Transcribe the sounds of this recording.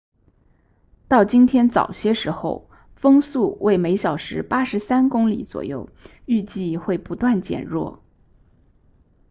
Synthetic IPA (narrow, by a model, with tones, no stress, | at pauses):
t̪ɑ˥˩ʊt͡ɕi˥nt̪ʰjɛ˥nt͡sɑ̰˨˩ʊɕjɛ˥ʂɻ̩˧˥xo˥˧ʊ | fɤ˥ŋsu˥˩wʔe˥˩ɪme˧˥ɪɕjɑ˨˩ʊʂɻ̩˧˥pa˥ʂɻ̩˧˥sa˥nkʊ˥ŋlḭ˨˩˦t͡swɔ̰˨˩jo˥˩ʊ | y˥˧t͡ɕi˥˧xwe˥˩ɪpu˧˥t̪wa˥˩nt͡ɕjɛ̰˨˩nɻwɔ˥˩